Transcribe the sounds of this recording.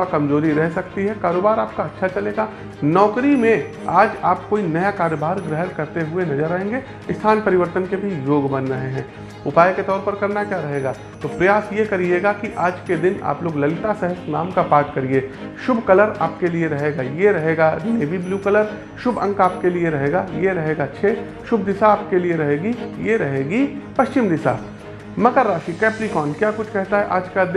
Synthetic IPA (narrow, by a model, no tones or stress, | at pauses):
akɐmzoːɾiɾɛɦsɐkt̪iɦɛkaːɾoːbaːɾaːp̚kaɐtːʃʰat͡ʃɐleːɡaː | nɔːkɾimẽ | aːd͡ʒaːpkoːinɐjakaːɾobaːɾɡɾɛɦənkɐɾt̪eɦʊenɐzəɾaːẽːŋɡe | ɪst̪ʰaːnpɐɾɪʋəɾt̪ənkebʱijoːɡbɐnɾɐɦeɦɛ̃ː | ʊpaːjket̪ɔːɾpɐɾkɐɾnakjaːɾɐɦeːɡaː | t̪oːpɾɐjaːsjekɐɾieːɡakiʔaːd͡ʒked̪ɪna̰ːploːɡlɐlɪt̪asɛɦəsna̰ːmkapaːʈkɐɾieːʃʊbʱkɐləɾa̰ːp̚kelieɾɐɦeːɡajeɾɐɦeːɡadneːbʱibljuːkɐləɾ | ʃʊbʱɐ̰̃ŋkaːp̚kelieɾɐɦeːɡajeɾɐɦeːɡat͡ʃʰeː | ʃʊbʱd̪ɪsaːpkelieɾɐɦeːɡijeɾɐɦeːɡipɐʃt͡ʃɪmd̪ɪsa̰ː | mɐkəɾːaːʃikɛːpɾikɔːnkjaːkʊt͡ʃʰkɛɦt̪aɦɛʔaːd͡ʒkad̪